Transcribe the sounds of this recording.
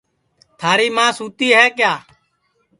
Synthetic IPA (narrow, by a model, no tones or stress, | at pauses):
t̪ʰaːɾiːmãːsuːt̪iːɦɛːkjaː